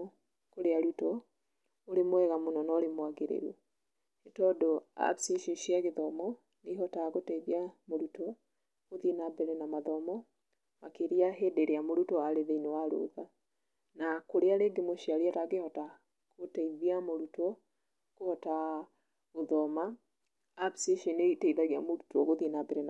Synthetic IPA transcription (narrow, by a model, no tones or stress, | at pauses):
koɾeaɾutɔ | oɾemwɛɣamonɔnɔoɾemwaɡeɾḛɾwɔ | etɔdoa̰siʃeʃiaɣeðɔmɔ | neɦɔtaɣotaiðiamoɾutɔ | oðienabɛɾɛnamaðɔmɔ | makeɾiaɦedeɾeamoɾutɔaɾeðeinewaɾo̰ða | nakoɾeaɾeɡemoʃiaɾiataɣehɔta | kotaiðiamoɾutɔ | kohɔta | oðɔma | absiʃinetaiðaɣia̰moɾutwɔɣoðinabeɾen